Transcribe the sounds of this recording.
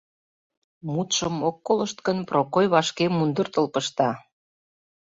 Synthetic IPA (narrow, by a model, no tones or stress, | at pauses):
mut̪ʃəmokːoləʃt̪kənprokojβɑʃkemund̪ərt̪əlpəʃt̪ɑ